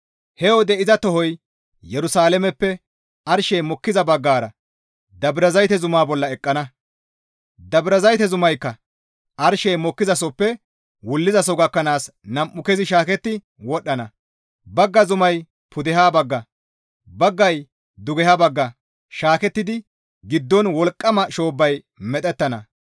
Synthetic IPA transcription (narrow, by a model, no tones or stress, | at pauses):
hɛwɔd̪ɛʔɪzɐt̪ɔhɔj | jɛɾʊsaːlɛmɛpːɛ | ʔɐɾʃɛjmɔkːɪzɐbɐɡːaːɾɐ | d̪ɐbɾɐzɐjt̪ɛzʊmaːbɔlːɐɛkʼːɐnɐ | d̪ɐbɾɐzɐjt̪ɛzʊmɐjkːɐ | ʔɐɾʃɛjmɔkːɪzɐs̬ɔpːɛ | wʊlːɪzɐsɔɡɐkːɐnaːs | nɐmʔːʊkɛzɪʃaːkɛt̪ːɪ | wɔɗːɐnɐ | bɐɡːɐzʊmɐj | pʊd̪ɛɦaːbɐɡːɐ | bɐɡːɐj | d̪ʊɡɛhaːbɐɡːɐ | ʃaːkɛt̪ːɪd̪ɪ | ɡɪd̪ːɔnwɔlkʼːɐmɐʃo̞ːbːɐj | mɛt̪ʼɛt̪ːɐnɐ